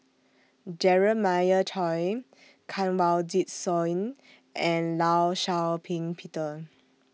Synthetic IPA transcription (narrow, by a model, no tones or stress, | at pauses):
d͡ʒɛɹəmajətʰɔj | kʰãnwaldit̚sɔjn | ʔɛ̃nlawʃawpʰĩŋpʰitə